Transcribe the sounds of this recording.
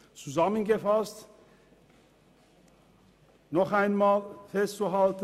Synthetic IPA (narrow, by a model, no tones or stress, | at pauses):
t͡suzamənɡəfast | nɔχaɪnmaːlfɛstt͡suɦalt